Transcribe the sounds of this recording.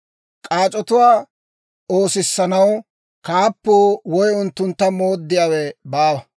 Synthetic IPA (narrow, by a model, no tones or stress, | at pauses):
kʼaːt͡ʃʼɔt̪ʊwaː | oːsɪsːɐnɐw | kaːpːoːwɔjʊnt̪ːʊnt̪ːɐmo̞ːd̪ːɪjaːwɛbaːwɐ